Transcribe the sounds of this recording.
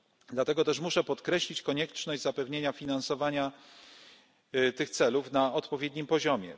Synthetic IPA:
d̪lat̪ɛɡɔt̪ɛʂmuʂɛpɔt̪kɾɛɕlʲit͡ɕkɔɲɛt͡ʂnɔʑd͡ʑzapɛvɲeɲafʲinansɔvaɲa | t̪ɘxt̪sɛlufnaɔt̪pɔvʲjed̪ɲimpɔʑɔmʲjɛ̰

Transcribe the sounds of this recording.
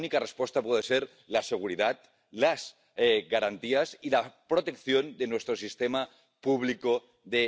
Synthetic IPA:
nikarespwest̪apweðeseɾ | lase̞ɣ̞uɾiðat̪ | laz | eɣaɾant̪iasilapɾo̞t̪e̞kθjo̞nd̪e̞nwe̞st̪ɾo̞sist̪ema | puβ̞liko | ðe

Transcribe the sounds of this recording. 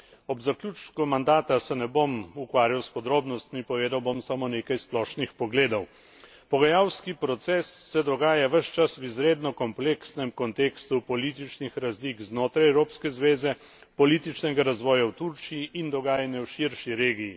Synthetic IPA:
ɔbzaklʲjuːt͡ʃkɔmand̪aːt̪asɛnɛbomukʋaːɾjawspɔd̪ɾoːbnɔst̪mipɔʋeːd̪awbomsamoːneːkajsplɔːʃnixpɔɡleːd̪ɔw | pɔɡajawskipɾɔt̪sɛsːɛd̪ɔɡaːjaʋəʃt͡ʃaswizɾeːd̪nɔkɔmpleːksnɛmkɔnt̪eːkst̪upɔliːt̪it͡ʃnixɾazlikznoːt̪ɾajɛwɾoːpskɛzʋeːzɛ | pɔliːt̪it͡ʃnɛɡaɾazʋɔːjawt̪uɾt͡ʃiiʔind̪ɔɡaːjanjɛwʃiɾʃiɾeːɡiji

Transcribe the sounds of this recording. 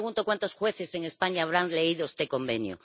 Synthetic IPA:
ɣunt̪okwant̪osxwe̞θeseŋe̞spaɲaːβɾaŋle̞iðoest̪eko̞mbe̞njo̰

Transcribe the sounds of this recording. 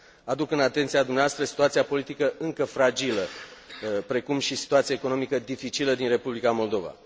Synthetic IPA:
ad̪ukɨnat̪e̞nt̪siad̪umneast̪ɾəsi̥t̪uat̪siapo̞lit̪ikəʔɨŋkəfɾad͡ʒilə | pɾe̞kumʃisi̥t̪uat̪sijeeko̞no̞mikəd̪ifit͡ʃiləd̪inre̞publikamo̞ld̪o̞va̰

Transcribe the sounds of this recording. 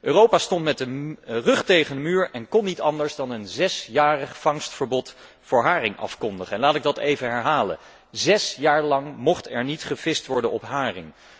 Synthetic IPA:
ʔøːrowpaːstɔntmɛtdərɵχtejχəndəmyːɹɛnkɔnːitɑndəɹzdɑnənzɛsjaːrəχfɑŋstfəɹbɔt | fʊːɹɦaːrɪŋʔɑ̰fkɔndəχəɛnlaːtɪɡ̚dɑtejvənɦɛɹɦaːlə̰ | zɛsjaːɹlɑŋmɔχtɛɹnitχəvɪstʋɔɹdənɔpɦaːrɪŋ

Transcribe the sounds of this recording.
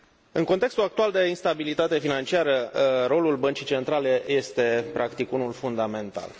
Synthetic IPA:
ɨŋko̞nt̪e̞kst̪ulakt̪uald̪e̞inst̪abilit̪at̪e̞finant͡ʃiaɾəɾo̞lulbənt͡ʃit͡ʃe̞nt̪ɾale̞je̞st̪e̞pɾakt̪ikunulfund̪ame̞nt̪a̰l

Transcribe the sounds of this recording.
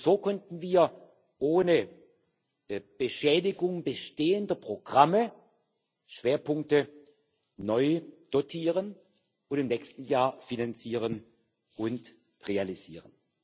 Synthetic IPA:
z̥oːkʰɔntn̩viːɐ | ʔoːnə | b̥əʃɛːdɪɡʊŋbəʃteːəndɐpʁ̥oɡ̥ʁamə | ʃv̥eːɐpʊŋk̚tə | nɔʏd̥otʰiːʁən | ʔʊntɪmnɛːkstn̩jaːɐfinant͡siːʁ̞ən | ʔʊnt | ʁealiz̥ḭːʁən

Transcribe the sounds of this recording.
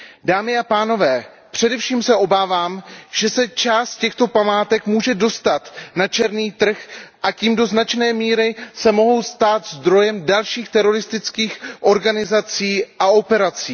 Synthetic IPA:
daːmɪapaːno̞vɛː | pr̥ɛdɛfʃiːmsɛʔo̞baːvaːmʒ̥ɛsɛt͡ʃaːst̪̚cɛxt̪o̞pamaːt̪ɛkmuːʒɛdo̞st̪at̪nat͡ʃɛɾniːt̪r̩xʔaciːmdo̞znat͡ʃnɛːmiːɾɪsɛmo̞ɦo̞wst̪aːt̪zd̪ɾo̞jɛmdalʃiːxt̪ɛɾo̞ɾɪst̪ɪt͡skiːxʔo̞ɾɡanɪzat͡siːʔaʔo̞pɛɾat͡siː

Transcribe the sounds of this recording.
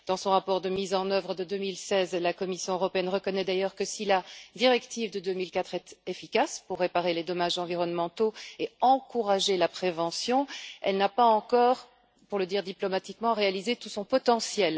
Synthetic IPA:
d̪̥ɑ̃sɔ̃ʁapɔʁd̪əmizɑ̃nœvʁəd̪əd̪ømilsɛzlakɔmisjɔ̃øʁɔpeɛnʁəkɔnɛd̪ajœʁkəsilad̪iʁɛkt̪ivd̪əd̪ømilkat̪χɛt̪efikaspuʁːepaʁeled̪ɔmaʒɑ̃viʁɔnmɑ̃t̪oeɑ̃kuʁaʒelapχevɑ̃sjɔ̃ɛ̰lnapaɑ̃kɔʁ | puʁləd̪iːʁd̪iplɔmat̪ikmɑ̃ʁealizet̪usɔ̃pɔt̪ɑ̃sjɛl

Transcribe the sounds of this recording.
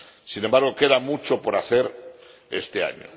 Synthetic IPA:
sinembaɾɣ̞o̞ke̞ðamut͡ʃo̞po̞ɾaθe̞ɾ | ḛst̪ea̰ɲo̰

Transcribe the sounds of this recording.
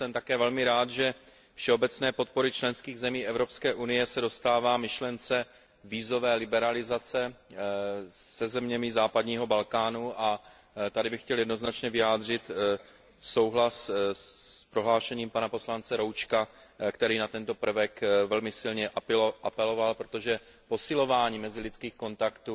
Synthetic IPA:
sɛmt̪akɛːvɛlmɪɾaːd̪ʒɛ | fʃɛo̞bɛt͡snɛːpo̞t̪̚po̞ɾɪt͡ʃlɛnskiːɣzɛmiːʔɛvɾo̞pskɛːʔunɪjɛsɛdo̞st̪aːvaːmɪʃlɛnt͡sɛ | viːzo̞vɛːlɪbɛɾalɪzat͡sɛ | sɛzɛmɲɛmɪzaːpadɲiːɦo̞balkaːnuʔa | t̪adɪbɪxcɛljɛdnoznat͡ʃɲɛvɪjaːd̪r̝ɪt̪ | so̞wɦlas | pɾo̞ɦlaːʃɛɲiːmpanapo̞slant͡sɛɾo̞wt͡ʃkakt̪ɛɾiːnat̪ɛnt̪o̞pr̩vɛkvɛlmɪsɪlɲɛʔaʔapɛlo̞valpɾo̞t̪o̞ʒɛpo̞sɪlo̞vaːɲiːmɛzɪlɪt͡skiːxko̞nt̪akt̪u

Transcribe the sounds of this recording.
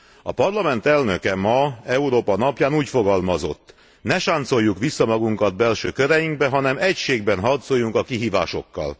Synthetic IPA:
ɒpɒrlɒmɛnt̪ɛlnø̞kɛmɒɛuɾoːpɒnɒpjaːnuːcfo̞ɡɒlmɒzo̞̰t̪ː | nɛʃaːnt̪so̞jːukʋisːɒmɒɡuŋkɒd̪̚bɛlʃøːkøɾɛjiŋɡ̚bɛɦɒnɛmɛcʃeːɡ̚bɛnɦɒrt̪soːjːuŋkɒkiɦiːva̰ːʃo̞̰kːɒ̰l

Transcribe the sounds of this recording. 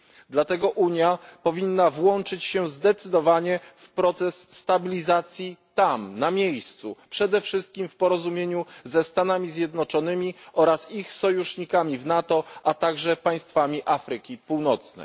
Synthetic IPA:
d̪lat̪ɛɡɔʔuɲjapɔvʲinːavwɔnt͡ʂɘt͡ɕɕɛzd̪ɛt̪sɘd̪ɔvaɲɛfpɾɔt̪sɛsːt̪abʲilʲizat̪sʲjit̪amnamʲjejst̪supʂɛd̪ɛfʂɘst̪̚kʲimfpɔɾɔzumʲjeɲuzɛst̪anamʲizʲjɛd̪nɔt͡ʂɔnɘmʲiɔɾasixsɔjuʂɲikamʲivnat̪ɔʔat̪aɡʐɛpaj̃st̪famʲiʔafɾɘkʲipuwnɔt̪snɛ̰

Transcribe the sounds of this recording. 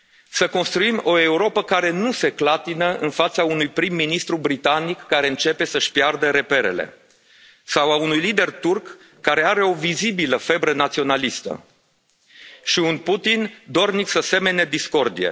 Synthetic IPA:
səko̞nst̪ɾuimo̞e̞uɾo̞pəkaɾe̞nuse̞klat̪inəɨnfat̪saunujpɾimːinist̪ɾubɾit̪anikːaɾe̞ɨnt͡ʃe̞pe̞səʃpjard̪əɾe̞pe̞ɾe̞̰le̞̰ | sawaunujlid̪e̞rt̪urkː | aɾe̞aɾe̞o̞vizibiləfe̞bɾənat̪sio̞nalist̪ə̰ | ʃiunput̪ind̪o̞rniksəse̞me̞ne̞d̪isko̞rd̪ijḛ

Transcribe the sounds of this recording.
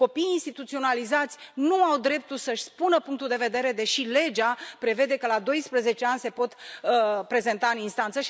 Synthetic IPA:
ko̞pijinst̪it̪ut̪sio̞nalizat̪sʲnuawd̪ɾe̞p̚t̪ulsəʃʲspunəpuŋk̚t̪uld̪e̞ve̞d̪e̞ɾe̞d̪e̞ʃile̞d͡ʒapɾe̞ve̞d̪e̞kəlad̪o̞jspɾəze̞t͡ʃeanʲse̞po̞t̪ | pɾe̞ze̞nt̪aɨninst̪ant̪səʃi

